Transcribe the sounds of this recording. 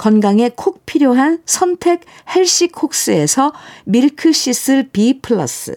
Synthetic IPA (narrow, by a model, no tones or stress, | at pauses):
kʌnɡaŋe̞kʰok̚pʰiɾjoɦansʰʌntʰe̞k̚he̞ɭɕ͈ikʰok̚s͈ɯe̞sʰʌmiɭkʰɯɕ͈is͈ʰɯɭpipʰɯɭːʌ̰s͈ɯ̰